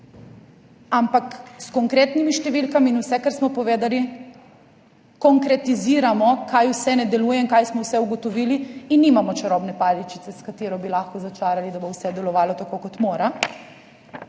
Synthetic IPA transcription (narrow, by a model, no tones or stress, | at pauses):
ampakskɔŋkɾeːt̪nimiʃt̪ɛʋilkamiːnusɛkaɾsmɔpɔʋeːd̪ali | kɔŋkɾɛt̪iziːɾamɔkajwsɛnɛd̪ɛluːjɛiŋkajsmɔwsɛuɡɔt̪ɔʋiːliinːimamɔt͡ʃaɾɔbnɛpaːd̪it͡ʃit̪sɛskat̪eɾɔbilaxkɔzat͡ʃaːɾalid̪abowsɛd̪ɛlɔʋaːlɔt̪akoːkɔt̪moːɾa